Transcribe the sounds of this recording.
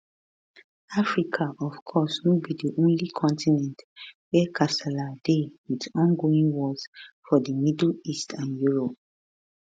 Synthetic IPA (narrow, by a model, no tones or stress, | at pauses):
afɹikʰaʔɔfkʰɔsnobidiʔõnlikʰɔ̃ntinɛ̃ntwɛkʰasaladewitɔ̃nɡoĩnwɔsfɔdəmidl̩istʰãnjuɹɔp̚